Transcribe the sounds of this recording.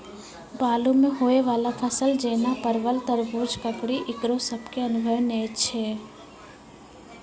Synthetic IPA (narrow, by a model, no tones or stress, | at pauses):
baːlumẽɦoːeʋaːlapʰəsəld͡ʒeːnapɐɾʋəlt̪əɾbuːɾd͡ʒkɐpɽiʔɪkɾosɐbkeɐnʊbʱəʋneːt͡ʃʰɛː